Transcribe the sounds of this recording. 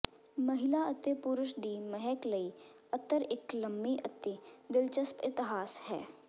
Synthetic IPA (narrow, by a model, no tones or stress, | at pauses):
məɦɪlaət̪ːepʊɾʊʃd̪iːmɛɦɛkləiː | ət̪ːəɾɪkləmːiʔət̪ːed̪ɪlt͡ʃəspɪt̪ɪɦaːshɛ̰ː